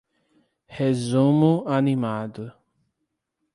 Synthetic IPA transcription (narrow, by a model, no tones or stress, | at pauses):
hezũmʊanimad̪ʊ